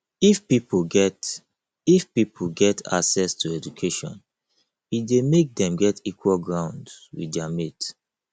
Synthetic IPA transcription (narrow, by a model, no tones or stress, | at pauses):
ifpipoɡɛt | ifpipʰoɡɛta̰ksɛstʰuɛd͡ʒukʰeʃɔ̰̃n | idemek̚dɛ̃mɡɛtikwɔlɡɹãʊ̃ndwḭdɛamet